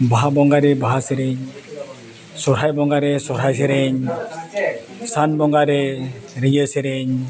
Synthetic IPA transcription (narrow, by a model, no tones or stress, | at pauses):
baɦabɔŋɡaɾebaɦaseɾeɲ | sɔɾɦajbɔŋɡaɾesɔɾɦajseɾeɲ | sanbɔŋɡaɾeɾijeseɾeɲ